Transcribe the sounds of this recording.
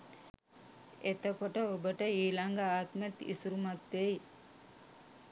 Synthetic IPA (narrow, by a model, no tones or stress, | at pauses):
et̪əkoʈəobəʈəiːlaŋɡaaːt̪met̪ḭsuɾumat̪ːej